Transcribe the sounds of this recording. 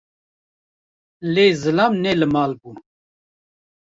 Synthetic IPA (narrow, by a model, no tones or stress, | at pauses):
leːzɨlaːmnɛlɨmaːlbu